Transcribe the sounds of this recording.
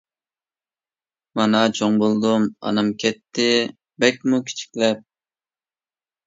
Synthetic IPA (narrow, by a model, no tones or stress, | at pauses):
mɑnɑt͡ʃʰoŋbolˠd̪umɑ̰nɑmkʲʰɛt̪ʰːɪ | bɛkʲmukʲʰi̥t͡ʃʰi̥kʲlɛp̚